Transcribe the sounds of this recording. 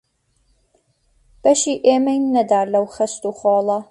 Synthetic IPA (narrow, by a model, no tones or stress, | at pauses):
b̥ɐʃiːʔeːmɐjnnːɐd̪aːɾlɐwxɐst̪uːχɔːlˠɐ